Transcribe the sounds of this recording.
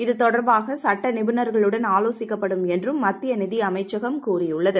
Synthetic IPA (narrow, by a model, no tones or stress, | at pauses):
ɪðɯt̪ɔɽɐɾbaːɣɐsɐʈːɐnɪbɪnɐɾɣɐɭɯɽɐnaːloːsɪkːɐpːɐɽɯmɛndrɯmːɐt̪ːɪjɐnɪðɪjɐmɐɪt͡ʃːɐɣɐmkuːrɪjʊɭːɐðɯ